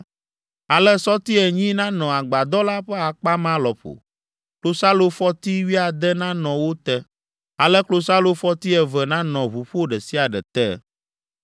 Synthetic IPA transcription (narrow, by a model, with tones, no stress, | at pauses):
a˨lɛ˦sɔ˦t̪i˦ɛ˨ɲĩ˦nã˦nɔ̃˨a˨ɡ͡ba˨d̪ɔ˦la˦ɸɛ˦a˨k͡pa˦mã˦lɔ˨ɸo̰˨ | klo˦sa˦lo˦fɔ˦t̪i˦wi˦a˨d̪ɛ˦nã˦nɔ̃˨wo˦t̪ɛ˦ | a˨lɛ˦klo˦sa˦lo˦fɔ˦t̪i˦ɛ˨vɛ˨nã˦nɔ̃˨βu˨ɸo˦ɖɛ˨si˦a˨ɖɛ̰˨t̪ɛ̰˦